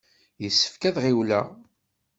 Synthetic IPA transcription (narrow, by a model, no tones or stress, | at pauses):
jəsːə̥fkæðʁiwlæ̰